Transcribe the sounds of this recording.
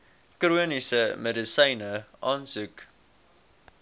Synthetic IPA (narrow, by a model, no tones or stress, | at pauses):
kruənisəmɛdəsɐjnəʔɑːnsʉk